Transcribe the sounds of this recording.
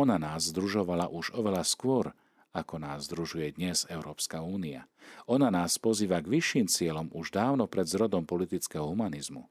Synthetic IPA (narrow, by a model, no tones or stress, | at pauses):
ɔnanaːzːd̪ɾuʒɔʋala̰ʔuʒɔʋɛlaskʊɔɾ | akɔnaːzːd̪ɾuʒujɛd̪ɲɛzɛʊɾɔːpskauːnia̰ɔnanaːspɔziːʋaɡʋiʃːiːmt͡sɪɛlɔmuʒd̪aːʊnɔpɾɛd̪zɾɔd̪ɔmpɔlit̪it͡skɛɦɔɦumanizmṵ